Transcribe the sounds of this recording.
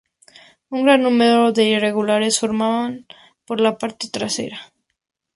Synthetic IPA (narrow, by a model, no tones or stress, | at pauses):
uŋɡɾanːume̞ɾoðe̞ire̞ɣulaɾe̞sfoɾmaβan | po̞ɾlapaɾt̪e̞̥t̪ɾase̞̰ɾa